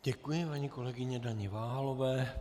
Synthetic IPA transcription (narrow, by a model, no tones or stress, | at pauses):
ɟɛkujɪpaɲiːko̞lɛɡɪɲɛdaɲɪvaːɦalovɛː